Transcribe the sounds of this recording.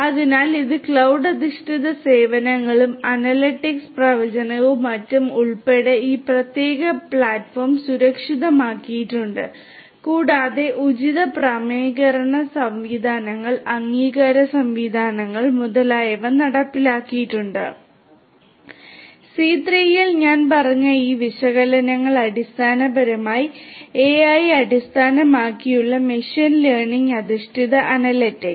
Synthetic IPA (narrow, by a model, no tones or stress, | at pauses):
ɐðinaːliðɨkɭɐwɖɐd̪iʂʈiðɐse̞ːʋɐnɐŋːɐɭumɐnɐliʈːiksprɐʋɐd͡ʑɐnɐʋumɐtːumuɭpeɽeiːprɐt̪je̞ːɣɐpɭaːʈfoːrmsuɾɐkʂiðɐmaːkːijiʈːuɳɖɨ | kuːɽaːðe̞ʔud͡ʑiðɐprɐmeːɡɐɾɐɳɐsɐmʋid̪ʱaːnɐŋːɐɭɐŋːiːɣɐɾɐsɐmʋid̪ʱaːnɐŋːɐɭmuðɐlaːjɐʋɐnɐɽɐpːilaːkːijiʈːuɳɖɨ | siːt̪rijɐlɲaːnpɐrɐɲːɐiːʋiɕɐɣɐlɐnɐŋːɐɭɐɽist̪ʰaːnɐbɐɾumaːjieːaːjiɐɽist̪ʰaːnɐmaːkːijuɭːɐmiɕɐnleːɳiŋɐd̪iʂtʰiðɐʔɐnɐletːe